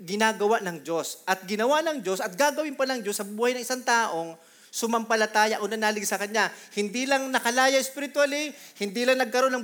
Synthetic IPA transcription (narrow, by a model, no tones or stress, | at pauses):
ɡɪnaːɡɐwaʔnɐŋd͡ʒo̞sʔɐt̪̚ɡɪnɐwanɐŋd͡ʒo̞sɐt̪̚ɡaɡɐwɪnpɐlɐŋd͡ʒo̞sːɐbuːhɐjnɐŋɪsaŋt̪aːʔo̞ŋ | sʊmɐmpɐlɐt̪aːjɐʔonɐnaːlɪɡsɐkɐɲːahɪnd̪ilɐŋnɐkɐlaːjɐɪspɪɾɪt̪walɪhɪnd̪ilɐŋnɐɡ̚kɐɾo̞nːɐŋ